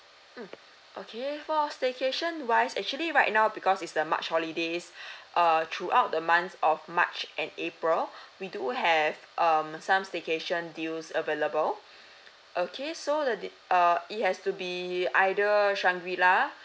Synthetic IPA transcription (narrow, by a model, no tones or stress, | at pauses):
ʔokʰefɔstekeʃə̃nwajsɛk̚t͡ʃuəliɹaɪt̚naʊbikɔsitsəma̰t͡ʃhɔlidesʔʌt̪ʰɹuʔaʊt̚dəmãnθɔfma̰t͡ʃʔɛ̃nepɹilwiduɦɛvʔʌmsãmstekeʃə̃ndilsəveləbəl | ʔokʰesodəd | ʌit̚hɛstubiajdəʃãŋɡwila